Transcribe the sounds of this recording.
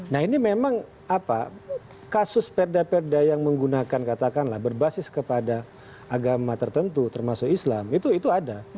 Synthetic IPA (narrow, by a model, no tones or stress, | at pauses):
naɦinimemaŋ | apa̰ | kasʊspɛrdapɛrdajaŋməŋɡunakankat̪akanlahbərbasɪskəpada | aɡamat̪ərt̪ənt̪ut̪ərmasʊkislamit̪uit̪uada